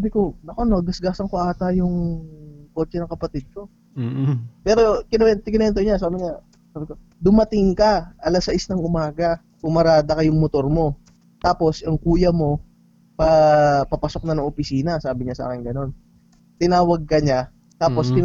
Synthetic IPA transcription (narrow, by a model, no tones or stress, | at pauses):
abɪko̞nɐkonɐɡɐsɡaːsɐŋkoʔaːt̪ajʊŋ | koːt͡ʃɛnɐŋkɐpɐt̪ɪd̪̚ko̞ | pɛːɾo̞kɪnɛnt̪kɪnɛnt̪oɲasaːbɪɲa | saːbɪko̞ | d̪ʊmɐt̪ɪŋkɐʔɐlɐsɐʔɪsnɐŋʊmaːɡɐ | kʊmɐɾaːd̪ɐkɐjʊŋmot̪o̞ɾmo̞ | t̪aːpo̞sɐŋkuːjɐmo̞ | pɐpɐpɐsok̚nɐnɐŋʔopɪsiːnɐsaːbɪɲasa̰ːkɪnɡɐno̞n | t̪ɪnaːwɐɡ̚kɐɲa | t̪aːpo̞st̪ɪ